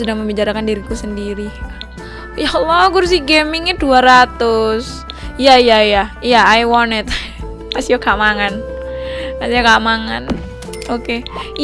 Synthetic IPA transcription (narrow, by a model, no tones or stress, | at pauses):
sudaŋməmbit͡ʃaɾakandiɾit̪usəndiɾi | jalaɡʊrs̬ɪhɡɛmɪŋɛduaɾat̪ʊs | jaijajajaːjwɔnɪt̪̚ | masiakamaŋan | masiakamaŋa̰n | oke